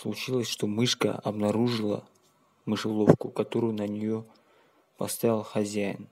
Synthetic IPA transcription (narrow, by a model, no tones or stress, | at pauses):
slˠʊt͡ɕilˠəsʲʂt̪o̞mɨʂkə̰ɐ̰bnɐɾuʐɨlˠə̰ | mɨʂɨlˠofkʊkɐt̪o̞ɾʊjʊnənʲɪjo | pɐ̰st̪avʲɪlˠxɐzʲæjɪ̰n